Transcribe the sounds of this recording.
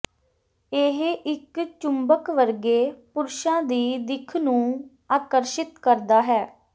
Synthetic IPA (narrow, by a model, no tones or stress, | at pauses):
eɦʔɪkt͡ʃʊmbəkʋəɾɡeːpʊɾʃãːd̪iːd̪ɪkʰnũː | aːkəɾʃɪt̪kəɾd̪aːɦɛː